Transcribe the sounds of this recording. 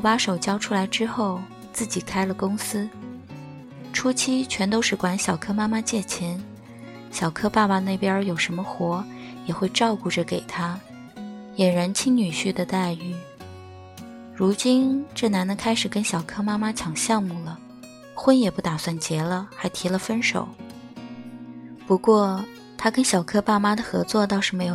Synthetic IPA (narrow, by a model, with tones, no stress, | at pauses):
pa˥ʂo˨˩ʊt͡ɕjɑ˥ʊʈ͡ʂʰu˥la˧˥ɪʈ͡ʂɻ̩˥xo˥˩ʊ | t͡sɹ̩˥˩t͡ɕi˨˩kʰa˥ɪlə˨kʊ˥ŋsɹ̩˥ | ʈ͡ʂʰu˥t͡ɕʰi˥t͡ɕʰɥɛ˧˥nt̪o˥ʊʂɻ̩˥˩kwa˧˥nɕjɑ˨˩ʊkʰɤ˥ma˥ma˥t͡ɕjɛ˥˩t͡ɕʰɛ˧˥n | ɕjɑ˨˩ʊkʰɤ˥pa˥˩pa˨˩ne˥˩ɪpjə˥jo˨˩ʊʂə˧˥nmə˧xwɔ˧˥jɛ˨˩xwe˥˧ɪʈ͡ʂɑ˥˧ʊku˥˩ʈ͡ʂə˩ke˨˩ɪt̪ʰa˥ | jɛ˨˩nɻa˧˥nt͡ɕʰi˥ŋny˨˩ɕy˥˩d̪ə˨t̪a˥˧ɪy˥˩ | ɻu˧˥t͡ɕi˥nʈ͡ʂɤ˥˩na˧˥nd̪ə˧kʰa˥ɪʂɻ̩˨˩kə˥nɕjɑ˨˩ʊkʰɤ˥ma˥ma˥t͡ɕʰjɑ˨˩ŋɕjɑ˥˧ŋmu˥˩lə˩ | xwə˥njɛ˨˩pu˥˩t̪a˨˩swa˥˩nt͡ɕjɛ˧˥lə˧xa˧˥ɪt̪ʰi˧˥lə˧fə˥nʂo̰˨˩˦ʊ | pu˧˥kwɔ˥˩ | t̪ʰa˥kə˥nɕjɑ˨˩ʊkʰɤ˥pa˥˩ma˥d̪ə˨xɤ˧˥t͡swɔ˥˧t̪ɑ˥˧ʊʂɻ̩˥˩me˧˥ɪjo˨˩